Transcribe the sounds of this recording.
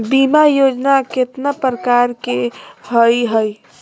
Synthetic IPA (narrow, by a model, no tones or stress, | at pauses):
bimajod͡ʒnaket̪napɾəkaɾkehəjɦəj